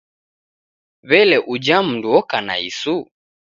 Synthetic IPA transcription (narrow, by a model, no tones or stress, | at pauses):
βɛlɛʔud͡ʒam̩duɔkana̰ḭsu